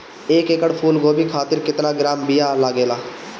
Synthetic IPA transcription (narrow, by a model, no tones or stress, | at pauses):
eːkekəɽpʰuːlɡoːbiːkʰaːt̪ɪɾkɪt̪naːɡɪɾaːmbijaːlaːɡeːlaː